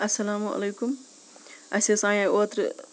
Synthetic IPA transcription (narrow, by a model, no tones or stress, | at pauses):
ɐsɐlaːmuʔɐ̰lejkum | ɐsesãːjãoːt̪ɾ